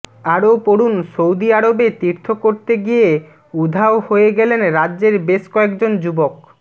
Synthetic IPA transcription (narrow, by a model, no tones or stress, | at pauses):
aɾopoɽunsowd̪iaɾobet̪iɾt̪ʰokoɾt̪eɡije | ud̪ʱaohoeɡɛlenɾadːʑeɾbeʃkɔekd͡ʑond͡ʑubok